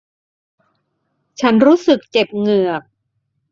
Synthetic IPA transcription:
t͡ɕʰa˦˥nɾuː˦˥sɯ˨˩k̚t͡ɕe˨˩p̚ŋɯ˨˩ɐk̚

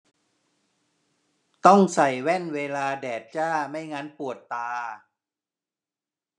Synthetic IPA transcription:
t̪ɔ˥˩ŋsa˨˩jwɛ˥˩nweː˧laː˧dɛː˨˩t̪̚t͡ɕaː˥˩ma˥˩jŋa˦˥npu˨˩ət̪ːaː˧

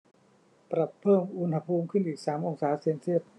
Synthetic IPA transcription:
pɾa˨˩pʰːɤː˥˩mʔu˧nha˧pʰuː˧mkʰɯ˥˩nʔiː˨˩k̚saː˩˦mʔo˧ŋsaː˩˦se˧nsi˥˩ət̪̚

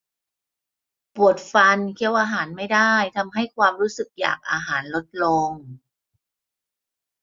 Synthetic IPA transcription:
pu˨˩ət̪̚fa˧nkʰi˧˥əwʔaː˧ɦaː˩˦nma˥˩jdaː˥˩jt̪ʰa˧mɦa˥˩jkʰwaː˧mɾuː˦˥sɯ˨˩k̚ja̰ː˨˩k̚ʔa̰ː˧ɦaː˩˦nlo˦˥t̪̚lɔː˧ŋ

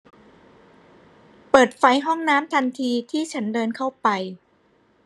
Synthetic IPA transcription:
pɤː˨˩t̪̚fa˦˥jɦɔ˥˩ŋnaː˦˥mt̪ʰa˧nt̪ʰiː˧t̪ʰiː˥˩t͡ɕʰa˦˥ndɤː˧nkʰa˥˩wpa˧j

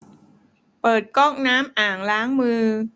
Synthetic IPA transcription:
pɤː˨˩t̪̚kɔː˥˩ŋ̚naː˦˥mʔaː˨˩ŋlaː˦˥ŋmɯː˧

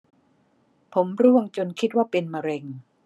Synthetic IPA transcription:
pʰo˩˦mɾu˥˩əŋt͡ɕo˧nkʰi˦˥t̪̚waː˥˩pe˧nma˧ɾe˧ŋ

